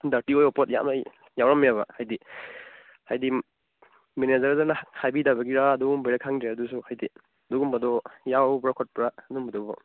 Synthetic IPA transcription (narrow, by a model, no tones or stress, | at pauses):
daɾtiojɔpot̚ja̰ma | jawɾamijaβɐ̰hajdi | hajdi | menezɐɾzaɾnɐhajbidabɐɡiɾaːdumbajɾakʰaŋdeɐdusuhajdi | ɐduɡumbɐdɔjawbɾakʰɔt̚pɾadumbɐdɔbɔ